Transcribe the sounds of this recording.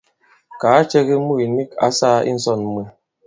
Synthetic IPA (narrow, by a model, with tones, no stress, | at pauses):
kaː˨˦t͡ʃɛ˦ɣi˦mu˦˨i˨ni˦ka̰˦sa˦ḭ˦n̩˦sɔ˦˨n˦me˨